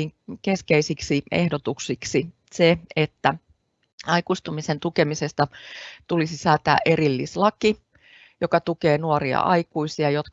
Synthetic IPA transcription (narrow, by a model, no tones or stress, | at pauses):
ŋkeskeisiksiʔḛhdot̪uksiksi | seet̪ːæ | ɑikust̪umisent̪ukemisest̪ɑt̪ulisisɑːt̪æ̰ːʔerilːḭslɑki | jokɑt̪ukeːnuoriɑ̰ʔɑikuisiɑjot̪